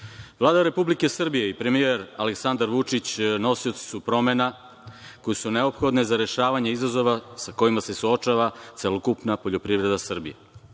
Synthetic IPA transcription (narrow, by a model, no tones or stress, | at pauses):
ʋlˠaːd̪aɾe̞publike̞sr̩bije̞ipɾe̞mije̞ɾa̰leksand̪aɾʋut͡ʃit͡ɕno̞sio̞t̪si̥supɾo̞mena | ko̞jesune̞o̞pxo̞d̪nezaɾe̞ʃaːʋaɲeizazo̞ʋasako̞jimase̞suot͡ʃaʋat̪selokupnapo̞ʎo̞pɾiʋɾe̞d̪asr̩bḭja